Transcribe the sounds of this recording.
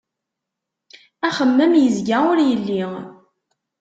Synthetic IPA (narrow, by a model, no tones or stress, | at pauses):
æχəmːəmjəzɡæʊɾjəlːi